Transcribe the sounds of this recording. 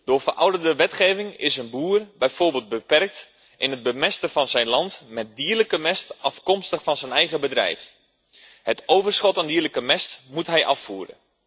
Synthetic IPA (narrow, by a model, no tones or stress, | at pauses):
d̥ʊːfərʔɑ̰wdərdəʋɛtχeːvɪŋɪsənbuːrbɛjfoːrbeːlˠd̚bəpɛrk̚t | ʔɪnəd̚bəmɛstəfɑnzɛjnlɑntmɛt̚diːrləkəmɛstʔɑfkɔmstəχfɑnzənɛjɣəbədrɛ̰jf | hətowvərsχɔtandiːrləkəmɛstmutɦɛjʔɑfːuːɾə̰